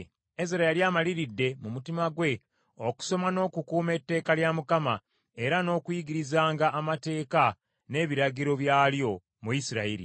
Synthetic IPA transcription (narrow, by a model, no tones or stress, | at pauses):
eziɾajaljaːmaliɾidːe̞mumutimaɡwe̞ | o̞ku̥so̞mano̞ːkukuːme̞tːe̞ːkaljamukama | e̞ɾano̞ːkujiɡiɾizaːŋɡaʔːmate̞ːka | ne̞ːβiɾaɡiɾo̞βjaːljo̞ | mujisiɾaiɾḭ